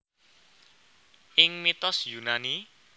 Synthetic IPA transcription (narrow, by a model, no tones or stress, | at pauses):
ʔɪŋmit̪ɔsjunani